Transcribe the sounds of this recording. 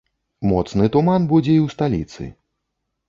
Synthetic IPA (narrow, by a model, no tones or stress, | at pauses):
mɔt̪snɨt̪umanbud͡zʲɛiwst̪alʲḭt̪sɨ̰